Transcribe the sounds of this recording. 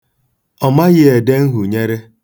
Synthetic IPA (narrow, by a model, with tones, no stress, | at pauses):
ɔ˨ma˦ɣɪ˦e˨de˦ŋ̩˦ɦu˨ɲe˦ɾe˦